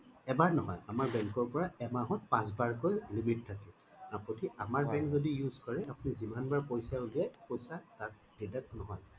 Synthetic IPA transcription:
ɛbaɹnɔɦɔjamaɹbɛŋkɔɹpɔɹaɛmaɦɔt̚pãs̬baɹkojlimittʰːakɛ | ãpotiamaɹbɛ̃ŋkzodijuzkɔɹɛapʊnizimanbaɹpojsaʊlijɛpojsataɹ | d̥idɛk̚nɔɦɔj

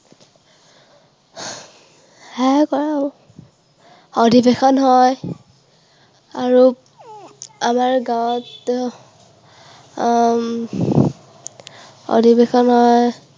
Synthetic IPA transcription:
hajkɔɹa | ɔdʱibexɔnɦɔj | aɹu | amaɹɡawɔt | ɔ̰dʱibexɔnɦɔj

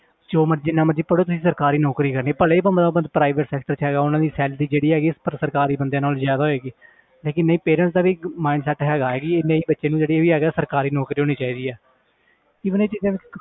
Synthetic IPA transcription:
t͡ʃoːməd͡ʒɪnːãːməd͡ʒiːpəɽoːt̪ʊsĩːsəɾkaːɾiːnɔːkɾiːkəɾneːpəleːbənd̪aːbəd̪pɾaːɪʋəʈsɛːk̚ʈəɾt͡ʃɦɛːɡaːʊnãːd̪iːsɛːld̪iːd͡ʒeːɽiːɦɛːɡiːɪspəɾsəɾkaːɾiːbənd̪jãːnaːlzjaːd̪aːɦoeːɡiː | leːkɪnːəĩːpeːɾə̃ɳst̪ãːʋiːmaːɪɳɖsɛːʈɦɛːɡaːeːɡiːeːneĩːbətːʃeːnũːd͡ʒeːɽieːʋiːɦɛːɡaːsəɾkaːɾiːnɔːkɾiːɦoːñiːt͡ʃaːiːd̪iːɛː | iːbəneːt͡ʃiːzãːi

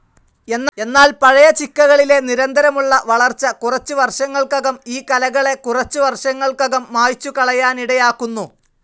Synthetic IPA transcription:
e̞nːe̞nːaːlpɐɻɐjɐt͡ɕikːɐɣɐɭile̞niɾɐnd̪ʱɐɾɐmuɭːɐʋɐɭɐrt͡ɕːɐkurɐt͡ɕːuʋɐrʂɐŋːɐɭkɐɣɐmiːkɐlɐɣɐɭe̞kurɐt͡ɕːuʋɐrʂɐŋːɐɭkɐɣɐmːaːjt͡ɕːukɐɭɐjaːniɽɐjaːkːunːu

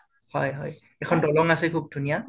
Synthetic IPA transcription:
hɔjɦɔj | ɛkʰɔndɔlɔŋasɛkʰub̚dʱunija

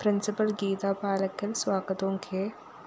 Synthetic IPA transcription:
pɾɪnsɪpəlɡiːt̪apaːləkəlswaːɡət̪õkʰe

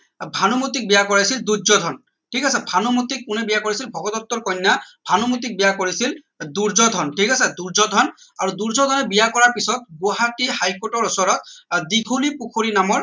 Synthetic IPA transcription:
bʱanɔmut̪ik̚bijakɔɹajsild̪uzɔd̪ʱɔn | ʈʰikasɛbʱanɔmut̪ik̚ːunɛbijakoɹisilbʱɔɡɔd̪ɔt̪ːɔɹkɔjnːabʱanɔmut̪̬ik̚bijakoɹisil | d̪uɹzɔd̪ʱɔnʈʰikasɛd̪uɹzɔd̪ʱɔn | aɹud̪uɹzɔd̪ʱɔnɛbijakɔɹaɹpisɔt̪̚boɦatihajkoʈɔɹɔsɔɹɔt̪d̪iɡʰʱulipukʰoɹinamɔɹ

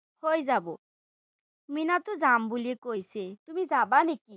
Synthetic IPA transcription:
hojzabo | minat̪uzambuliekojset̪umid͡zabaniki

